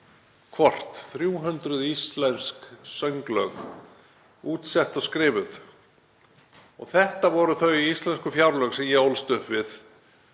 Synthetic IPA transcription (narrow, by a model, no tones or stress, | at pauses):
kʰvɔr̥t̪θɾjuːɦʏnt̪ɾʏðist̪lɛnsksœŋklœɣ | uːt̪sɛht̪ɔɣskɾɪːvʏθ | ɔɣθɛht̪avɔɾʏθœɥiist̪lɛnskʏfjawɾlœɣsɛmjɛowlst̪ʏhpvɪθ